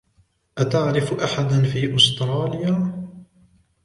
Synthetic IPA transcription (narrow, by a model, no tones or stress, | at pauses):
ʔat̪aʕɾɪfʔaħad̪nfiːʔʊst̪ɾˤɑːlɪjaː